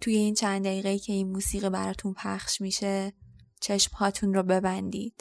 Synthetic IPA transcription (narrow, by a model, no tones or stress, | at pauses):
t̪ʰuːje̞int͡ʃʰænd̪d̪æiːɣeiːcʰe̞iːnmuːsiːɣibæɾɒːt̪ʰunpʰæχʃmiʃe̞ | t͡ʃʰe̞ʃmhɒːt̪ʰunɾɔːbe̞bænd̪ḭːd̪̥